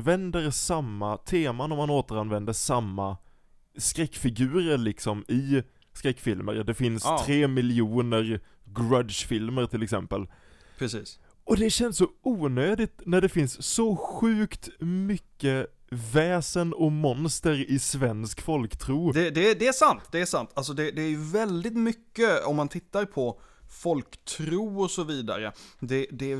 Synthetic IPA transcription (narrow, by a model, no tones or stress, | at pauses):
vɛnd̪əɾsamːat̪ʰeːmanɔmːanoːt̪əɾanvɛnd̪əʂamːa | skɾɛkːfɪɡʉ̟ːɾəɾɭɪksɔmɪ | skɾɛkːfɪlmə̰ɾd̪ɛfɪnst̪ʰɾeːmɪlɪuːnəɾ | ɡɾad̪ʃfɪlməɾʈ̪ʰɪlɛksɛmpəl | pɾɛsiːs | ʔɔd̪ɛɕɛnssɔuːnøːd̪ɪt̪næɖɛfɪnsːɔɧʉ̟ːkt̪mʏkːə | vɛːsənɔmɔnst̪əɾɪsvɛnskfɔlkt̪ʰɾuːd̪ɛd̪ɛd̪ɛæʂant̪d̪ɛæʂant̪ʰals̬ɔd̪ɛd̪ɛːɾjɵvɛld̪ɪt̪mʏkːəɔmːant̪ʰɪt̪ːaɾpʰɔfɔlkt̪ʰɾuːɔsɔviːd̪a̰ɾəd̪ɛd̪ɛ